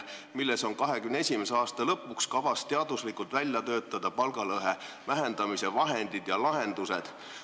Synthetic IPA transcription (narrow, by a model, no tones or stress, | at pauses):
milːeso̞ŋkɑɦe̞kymnesʲimeseɑːst̪ɑlɤ̞pːˑukskɑvɑst̪ːeɑd̪uslikːult̪vælʲjɑt̪øːt̪ːˑɑd̪̥ɑpɑlɡ̥ɑlɤɦe | væɦe̞nd̪̥ɑmise̞vɑɦe̞nd̪̥id̪̥jɑlɑɦe̞nd̪̥use̞d̪̥